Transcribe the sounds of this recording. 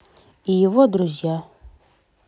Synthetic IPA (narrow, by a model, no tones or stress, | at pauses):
ijɪvɔd̪ɾuzʲja